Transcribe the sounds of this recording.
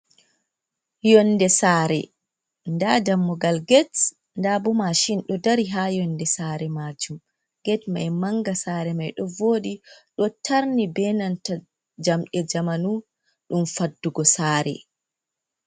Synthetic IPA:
jɔnːdɛsaːɾɛ̰ | ndadamːɔɡalɡɛt | ndabumaʃinɗɔdaɾiɦajɔndɛsaːɾɛmad͡ʒum | ɡ̥ɛtma̰jmaŋɡasaːɾɛmajɗɔvoːdiɗɔtʰaɾnibɛnanta | d͡ʒamɗɛd͡ʒamanu | ɗumfadːuɡɔsaːɾɛ̰

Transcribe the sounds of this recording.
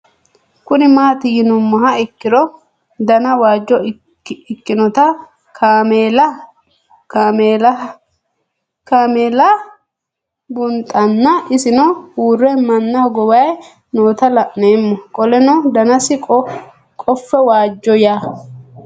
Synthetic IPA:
kʊnɪmaːt̪ɪjɪnʊmːɐɦɐɪkːɪɾɔ | d̪ɐnɐwaːd͡ʒːɔ | ɪkːɪnɔt̪ɐ | kʰameːlɐ | mel | kameːlɐ | bʊnt̪ʼːɐnːɐɪsɪnɔhuːrːɛmɐnːɐɡɔbɐj | noːt̪ɐlɐʔneːmːɔkʼɔlɛnɔd̪ɐnɐsɪkʼɔ | kʼɔfːɛwaːd͡ʒːɔjaː

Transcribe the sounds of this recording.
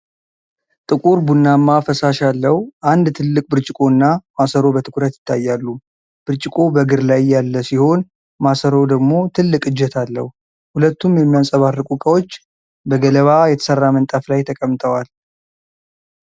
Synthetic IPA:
t̪ʼɨkʼuɾbunːamːafəsaʃalːəhuʔand̪t̪ʰɨlːɨkʼbɨɾt͡ʃʼɪkʼo̞ɨnːamasəɾo̞bət̪ʰɨkʰuɾət̪jɪt̪ʰːajːalːu | b̥ɨɾt͡ʃʼɪkʼo̞bəɡɨɾlajːalːəsiho̞n | masəɾo̞d̪əɡmo̞t̪ʰɨlːɨkʼɨd͡ʒːɛt̪ʰalːə̰hu | hulət̪ːumjɛmːijasʼəβarːɨkʼukʼəwot͡ʃː | bəɡələβajɛt̪ʰə̥sərːamənt̪ʼaflajt̪ʰəkʼəmt̪ʰəwal

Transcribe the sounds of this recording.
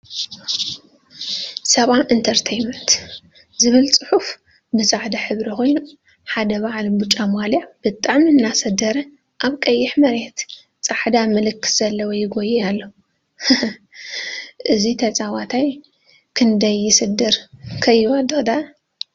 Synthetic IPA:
sɐβamʔint̪ʰɐɾt̪ʰejmɐnt̪ | zɨβɨlt͡sʼɨħuf | bɨzʼaʕd̪ɐħɨβɾikʰo̞jnu | ħad̪ɐβaʕlbut͡ʃʼːamaliʕb̥ɨt̪ʼaʕminːasɐd̪ɐɾɐ | ʔaβkʼɐjːɪħmɐɾet̪ | t͡sʼaħd̪amɨlɨkːɨ̥sz̥ɐlːɐwojɪɡojialːo | ʔɨzit̪ʰɐt͡sʼawat̪ʰaj | kʰɨnd̪ɐjːɪsɨd̪ːɨɾkʰɐjːwad̪od̪a

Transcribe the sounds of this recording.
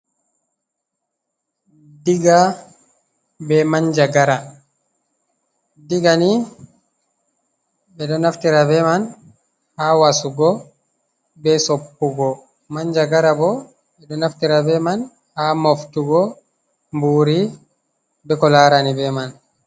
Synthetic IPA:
diɡa | bɛmaɲd͡ʒaɡaɾa | diɡani | bɛɗɔnaftiɾabɛman | hawasuɡɔ | bɛsɔpːuɡɔ | maɲd͡ʒaɡaɾabɔ | bɛɗɔnaftiɾabɛman | hamɔftuɡɔ | mbuːɾi | bɛkɔlaːɾanibɛman

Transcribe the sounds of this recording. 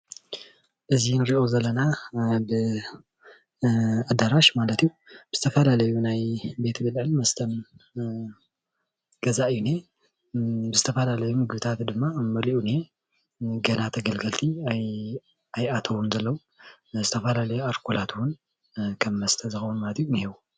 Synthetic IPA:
ʔɨzinɾiʔo̞zɐlːɐnabɨ | ad̪aɾaʃmalɐt̪ijub̥ɨz̥ɨt̪ʰɐfɐlalɐjunajbe̞t̪ʰbɨlʕɨnmɐst̪ʰɐm | ɡ̥ɐzaʔɨjːune | bɨzɨt̪ʰɐfɐlalɐjumɨɡɨβɨt̪ʰat̪d̪ɨmːamɐliʔune̞ | ɡɐnat̪ʰɐɡɐlɡɐlt̪ʰiaj | ajat̪ʰɐwunzɐlːɐwu | zɨt̪ʰɐfɐlalɐjuaɾkʰulat̪ʰuwʊn | kʰɐmːɐst̪ʰɐzɨxɐwunmalɐt̪junihewu

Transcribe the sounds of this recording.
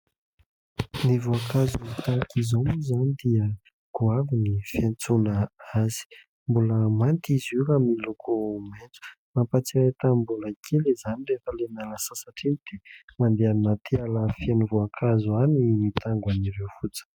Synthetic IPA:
nivuakazuit̪akizomuzanid̪iə | ɡ̥uavinifjant͡sunaaz̥i̥ | mbuləmant̪izuɾamilukʰument͡su̥ | mampat͡siɾet̪ambuləkʰelezanirefəlenaləsasaʈ͡ʂinid̪̥emand̪eannat̪ʰialəfjanivoakʰazuanimit̪aŋɡwaniɾewfut͡sə̥

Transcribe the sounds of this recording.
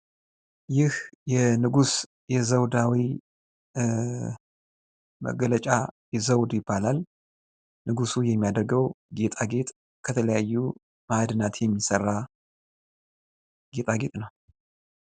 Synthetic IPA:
jɪhjɛnɨɡus | jɛzəwd̪awi | mə̰ɡələt͡ʃʼajɛzəwd̪jɪbːalal | nɨɡusujɛmːijad̪əɾɡəwɡet̪ʼaɡe̞t̪ʼ | kʰət̪ʰələjajːu | mad̪ɨnat̪jɛmːisərːa | ɡ̥et̪ʼaɡe̞t̪ʼnəw

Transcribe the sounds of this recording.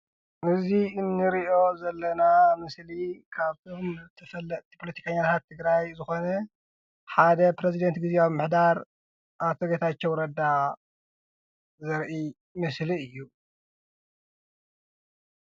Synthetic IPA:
ʔɨziɨnːɨɾiʔo̞zɐlːɐnamɨslikʰaβt̪ʰomt̪ʰɐfɐlːɐʔt̪ʰi̥pʰolɐt̪ʰi̥kʰɐɲːat̪ʰat̪ʰːɨɡɾajzɨxo̞nɐ | ħad̪ɐpɾezid̪ɐnt̪ɡizeaβmːɨħd̪aɾ | ʔat̪ʰoɡet̪ʰat͡ʃːowɾɐd̪a | zɨɾʔi | mɨsliɨjːu

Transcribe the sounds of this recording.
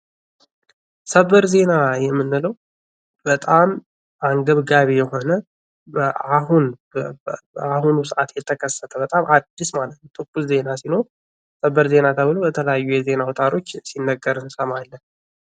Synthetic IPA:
səβəɾze̞najɛmːɨnːɨləw | bət̪ʼam | ʔaŋɡəβɡaβejɛɦo̞nə | aɦun | ahunuʊsəʔat̪jɛt̪ʰəkʰəsːət̪ʰəbət̪ʼamʔad̪ːismalət̪nəwt̪ʰʼɨkʼːulze̞nasino̞ɾ | səβəɾze̞nat̪ʰəβɨlobət̪ʰələjajːujɛze̞nawɔt̪ʼaɾo̞t͡ʃːsinːəɡəɾɨnsəmalːə

